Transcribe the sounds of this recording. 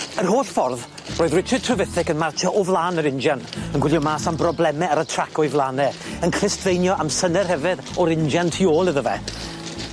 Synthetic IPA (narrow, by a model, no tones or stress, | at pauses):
ərɦoːɬfɔrð | roːɨðrɪt͡ʃʰəd̚tʰrəvɪθɪkənmartʰɔʔɔvlˠaːnəɾɪnd͡ʒanənɡwɪljɔmaːsambrɔblˠɛmɛaɾətʰrakʰɔɨvlˠanɛənkʰrɪstʰvejnjɔʔamsənɛrhɛvɪðɔɾɪnd͡ʒantʰioːlˠɪðəvɛ̰